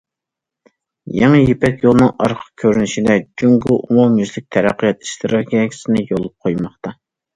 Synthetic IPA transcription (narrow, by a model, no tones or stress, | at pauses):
jɛŋɨjepɛkʲjolˠnɨŋɑɾqʰə̥q̚kʲʰøɾynɪʃid̪ɛd͡ʒʲyŋɡuʔumumjyzlɪk̚ʲt̪ʰɛɾæqːəjɑt̪i̥ʃt̪ɨɾoɡʲɛɡʲʰi̥sɪnɪjolˠup̚qʰojmɑχt̪ɑ